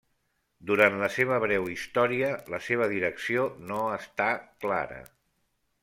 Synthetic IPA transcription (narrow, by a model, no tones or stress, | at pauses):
d̪uɾant̪ləseβ̞əβɾɛwist̪ɔɾiələseβ̞əðiɾəksionoəst̪akla̰ɾə̰